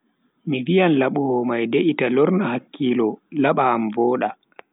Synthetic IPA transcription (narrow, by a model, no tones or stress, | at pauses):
mivijanlaɓuhɔmajdeʔitalɔɾnahakːiːlɔlaɓaːmvɔːɗa